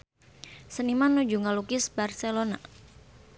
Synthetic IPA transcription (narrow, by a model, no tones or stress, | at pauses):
sənimanud͡ʒuŋalukɪsbarselona̰